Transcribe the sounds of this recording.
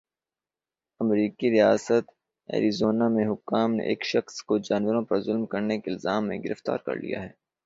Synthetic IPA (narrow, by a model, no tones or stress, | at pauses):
ɐmɾiːkiɾijaːsət̪ | ɛ̰ːɾizoːnamẽɦʊkːaːmnḛʔeːkʃɐxskod͡ʒaːnʋəɾõpɐɾzʊlmkɐɾnekeɪlzaːmːḛ̃ɡɪɾəft̪a̰ːɾkɐ̰ɾlḭja̰ɦɛː